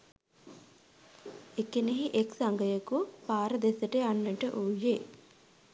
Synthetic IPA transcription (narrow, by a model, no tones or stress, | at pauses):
ekːeneɦiʔeksɐŋɡɐjɐkupaːɾɐd̪esɐʈeɐnːɐɳʈeʔuːje